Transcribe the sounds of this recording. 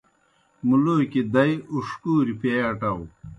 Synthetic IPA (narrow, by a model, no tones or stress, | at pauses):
muloːkid̪ɐjuʂkuːɾipeɐʈɐw